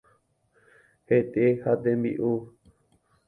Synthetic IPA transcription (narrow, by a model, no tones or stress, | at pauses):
het̪ehat̪ẽmbḭʔu